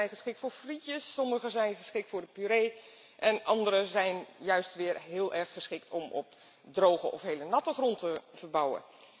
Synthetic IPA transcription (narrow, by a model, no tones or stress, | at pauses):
ɛjχəsχɪk̚tfʊːɹfritjəsːɔməχəzɛjnχəsχɪk̚tfʊːrdəpyɾeː | ʔɛnʔɑndəɾəzɛjnjœɥstʋɪːrɦɪːlˠʔɛɹχːəsχɪk̚tʰɔmɔ̰p̚ | drowχəʔɔ̰fɦeːlənɑtəχrɔntəvərbɑwə̰